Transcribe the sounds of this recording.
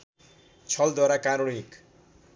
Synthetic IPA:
t͡sʰʌld̪waɾakaɾoɽik

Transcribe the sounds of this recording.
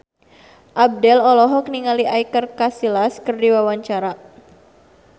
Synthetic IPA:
ʔab̚dɛlɔlɔɦɔk̚niŋaliʔajkərkasilaskərdiwawaɲt͡ʃaɾa

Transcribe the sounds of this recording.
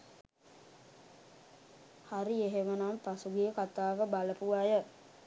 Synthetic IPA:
haɾieɦeʋənampasuɡijəkat̪aːʋəbaləpuʋajə

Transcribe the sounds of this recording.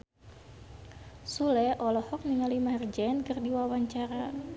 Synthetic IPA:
sulɛʔɔlɔhɔk̚niŋalimaɦrd͡ʒɛnkɨrdiwawaɲt͡ʃaɾa

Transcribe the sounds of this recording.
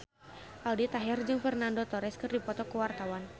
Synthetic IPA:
ʔaldit̪aɦɛrd͡ʒɨŋfɛrnandot̪ɔɾɛskɨrdipɔt̪ɔkəwart̪awan

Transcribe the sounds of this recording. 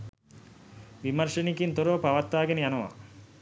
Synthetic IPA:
ʋimɐɾʂenikint̪oɾoːpaʋɐt̪ːaːɡenəjanɐʋa̰

